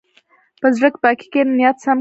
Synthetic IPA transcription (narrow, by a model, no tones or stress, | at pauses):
pəzɽəkbɑki̥kennjat̪sam